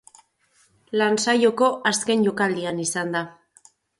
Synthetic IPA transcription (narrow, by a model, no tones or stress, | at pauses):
lansajo̞ko̞ʔaske̞nʝo̞kald̪ianisand̪a